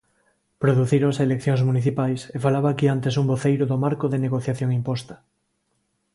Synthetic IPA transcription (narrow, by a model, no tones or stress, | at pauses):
pɾoðuθiɾoŋselekθjõŋzmuniθipajsefalaβaːkiant̪esumboθejɾoðomaɾkoðeneɣ̞oθjaθjõŋimpost̪ḁ